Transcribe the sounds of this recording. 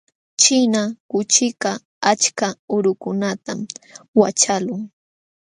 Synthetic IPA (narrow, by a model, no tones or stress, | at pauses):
t͡ʃɪnakʊt͡ʃɪka | at͡ʃkaʊɾʊkʊnat̪amwat͡ʃalʊŋ